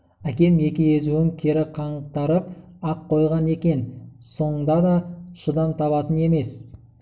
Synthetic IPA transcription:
ækʲe̞me̞kʲɪjezuɪŋkʲʰe̞ɾɪqʰɑɴəq̚t̪ɑɾəp̚ | ɑqʰːo̞jʁɑne̞kʲe̞nso̞ɴənd̪ɑd̪ɑʃəd̪ɑmt̪ʰɑβɑt̪əne̞me̞s

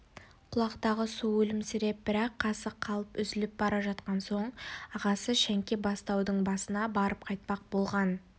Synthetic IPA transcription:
qʰʊlˠɑqt̪ɑʁəsuwɵlɪmsɪɾe̞p̚bɪɾɑqʰːɑsəqʰːɑlˠəpʏzɪlɪp̚bɑɾɑʒɑt̪qɑnso̞ɴɑʁɑsəʃæŋkʲe̞bɑst̪ɑwd̪əɴbɑsənɑbɑɾəp̚qʰɑjt̪̚pɑq̚bo̞lˠʁɑn

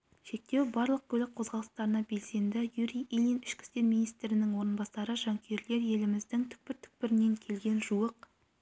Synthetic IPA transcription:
ʃe̞k̚t̪e̞wbɑɾlˠəq̚kʲʰɵlɪk̚qʰo̞zʁɑlˠəst̪ɑɾənɑbe̞lse̞nd̪ɪjuɾijʔilʲˠinɪʃkʲɪ̥st̪e̞ɾmijnijst̪ɾɪnɪŋwo̞ɾənbɑsɑɾəʒɑŋkʲʰe̞ɾle̞ɾje̞lɪmɪzd̪ɪŋt̪ʰʏ̥k̚pɪɾt̪ʰʏ̥k̚pɪɾɪne̞ŋkʲʰe̞lɡʲe̞nʒuəq

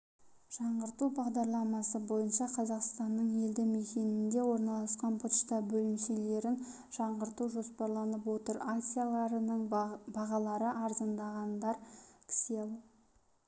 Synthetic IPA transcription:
ʒ̥ɑɴʁəɾt̪ubɑʁd̪ɑɾlˠɑmɑsəbo̞jənʃɑqʰɑzɑqst̪ɑnːəɴe̞ld̪ɪmekʲe̞nɪnd̪e̞wo̞ɾnɑlˠɑsqɑnpʰoʃt̪ɑbɵlɪmʃele̞ɾɪn | ʒ̥ɑɴʁəɾt̪uʒo̞spɑɾlˠɑnəp̬wo̞t̪əɾak̪sijalˠɑɾənəɴbɑʁɑlˠɑɾəʔɑɾzənd̪ɑʁɑnd̪ɑɾpʲʰɪ̥selˠ

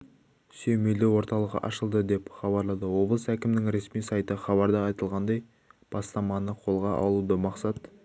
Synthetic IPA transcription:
sɵjmejlewo̞ɾt̪ɑlˠəqʔɑ̰ʃəlˠd̪əd̪e̞pχɑβɑɾlˠɑd̪əwo̞blˠəsækʲɪmnɪŋɾe̞smijsɑjt̪əχɑβɑɾd̪əɑjt̪əlˠʁɑnd̪ɑj | b̥ɑst̪ɑmɑnəqʰo̞lˠʁɑʔɑ̰lˠud̪əmɑqsɑt̪

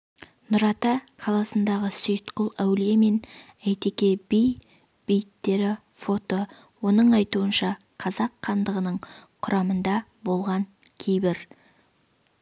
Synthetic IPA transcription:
nʊɾɑt̪ɑqʰɑlˠɑsənd̪ɑʁəsʏjt̪qʊlˠæwlijeme̞n | æjt̪e̞kʲe̞bij | b̥ijt̪ːe̞ɾɪfo̞t̪o | wo̞nəɴɑjt̪uənʃɑ | qʰɑzɑqʰːɑnd̪əʁənəɴqʰʊɾʔɑmənd̪ɑbo̞lˠʁɑŋkʲʰejbɪɾ

